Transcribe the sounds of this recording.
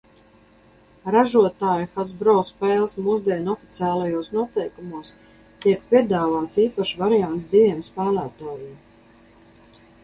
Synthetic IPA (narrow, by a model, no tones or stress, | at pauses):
ɾaʒuɔt̪aːjuxazbɾɔːspɛːlˠsmuːzd̪iɛnɔfit̪siaːlˠajuɔsnuɔt̪ɛjkumuɔs | t̪iɛkpʲiɛd̪aːvaːt̪siːpaʃvaɾijant̪sd̪ivʲɛɛmspæːlæːt̪aːjim